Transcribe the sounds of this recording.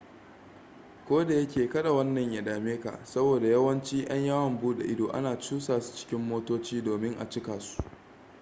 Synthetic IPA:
kʷoː˦da˨jɐ˦kʲeː˨kɐ˦ɗa˨wɐ˦nːɐ˨ɲja˨ɗaː˨meː˦ka̰˨ʔsɐ˦boː˨da˨jɐ˦wɐ˦nt͡ʃiː˦j̰ɐ˦ɲjaː˦wɐ˨mbuː˦ɗḛ˨ʔɪ˦doː˨ʔa̰˦naː˨t͡ʃuː˦saː˨su̥˨t͡ʃɪ̥˦kʲɪ˦mːoː˦toː˦t͡ʃiː˦doː˨mɪ˦ŋʔa̰˨t͡ʃɪ˦kaː˨su̥˦ʔ

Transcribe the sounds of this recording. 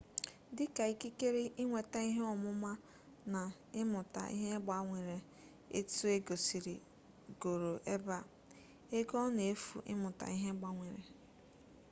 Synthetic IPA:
dɪ˦ka˨i˦ki˦ke˦ɾe˦ʔi˦ŋʷe˨ta˦i˦ɦe˦ɔ˨mʊ˦ma˦ | na˨ | ɪ˦mʊ˨ta̰˨ʔḭ˦ɦe˦ɡ͡ba˦ŋʷe˨ɾe˨ | ḛ˦tu˦e˦ɡo˨si˨ɾḭ˨ | ɡo˨ɾo˨ʔe˦ba˦ | e˦ɡɔ˦ne˨e˦fṵ˨ʔɪ̰˦mʊ˨ta̰˨i˦ɦe˦ɡ͡ba˦ŋʷe˨ɾe˨

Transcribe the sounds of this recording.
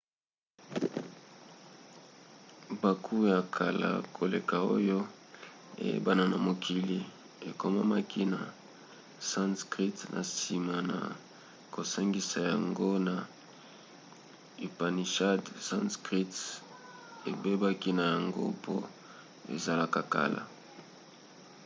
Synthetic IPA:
ba˨kʰu˦ja˨kʰa˨la̰˨kʰo˨le˨ka˨o̰˦jo˦ | ḛ˨jḛ˦ba˦na˨na˨mo˨kʰi˨li˨ | e˨ko˦ma˦ma˦kʰi˦na˨ | sa˦nskʁi˦tnʔa̰˨si˨ma˨na̰˨ | ko˨sa˦ŋɡi˨˦sa˨ja˨ŋɡo˦na˨ | i˨pa˨ni˨ʃa˦dsã˦nskʁi˦t | e˨be˦ba˦ki˦na˨ja˨ŋɡo̰˦pʰo̰˦ | ḛ˨za˨la˨ka˨ka̰˨la̰˨

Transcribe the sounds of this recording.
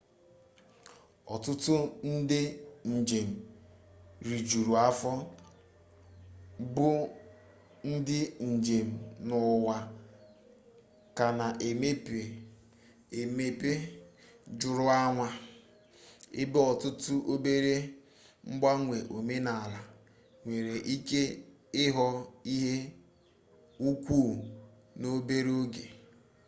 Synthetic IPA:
ɔ̰˨tʊ˦tʊ˦n̩˦dɪ˦n̩˨d͡ʒe˨m̩˨ | ɾi˨d͡ʒu˨ɾu˨a˦fɔ˦ | bʊ˦ | n̩˦dɪ˦n̩˨d͡ʒe˨m̩˨nʊ˨wa˨ | ka˨na˨ʔe˨me˦pe˨ | e˨me˦pe˦ | d͡ʒʊ˨ɾʊ˦a˦ŋʷa˦ | ɪ̰˦bɔ˨tʊ˦tʊ˦ʔo˦be˦ɾe˦ | ŋ͡m̩˦ɡ͡ba˦ŋʷe˨ʔo˨me˦na˨la˨ | ŋʷe˨ɾe˨ʔi˦ke˦ | ɪ˦ɦɔ˦i˦ɦe˦ | u˦kʷuː˦˨ | no˦be˦ɾe˦o˦ɡe˨

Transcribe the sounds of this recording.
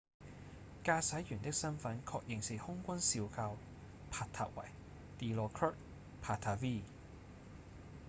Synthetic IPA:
kaː˧sɐ˨˥jjyː˨˩nt̪ɪ˥k̚sɐ˥nfɐ˨˥nkʰɔː˧k̚jɪ˨ŋsi˨˩hʊ˥ŋkʷɐ˥nsiː˧wkʰaː˧w | pʰaː˧t̪ʰa̰ː˨k̚wɐ̰˨˩j | t̪iː˨˧lɔː˧kʰœː˥t̚ | pʰaː˧t̪ʰaː˧viː˥

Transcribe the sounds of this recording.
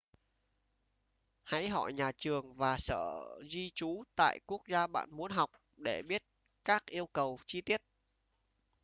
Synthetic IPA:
ha̰˧˥jɦɔ̰˧˨jɲaː˨˩t͡ɕɨ˨˩əŋvaː˨˩sə̰ː˧˩zi˧t͡ɕu˨˦t̪a̰ː˧˨jku˦˥ək̚zaː˧ɓa̰ː˧˨nmu˨˦ənɦa˨˩wk͡p̚ | ɗe˧˩ɓi˦˥ət̚ | kaː˦˥k̚ʔi˧əwkə˨˩wt͡ɕi˧t̪i˦˥ət̚

